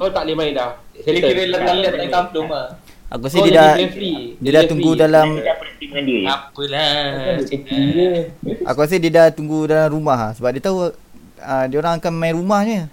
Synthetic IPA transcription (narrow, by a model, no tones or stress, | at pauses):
kawt̪aʔlimaidahkaliɾəlat̪alaat̪amloma | ʔa̰kuas̬edidafidiədat̪uŋɡudalamdapəɾt̪imadieapəlaəpiəʔa̰kuas̬ediədat̪uŋɡudalamɾumaɦasəbap̚diət̪au | ədiəoɾaŋakanmãjɾumahɲə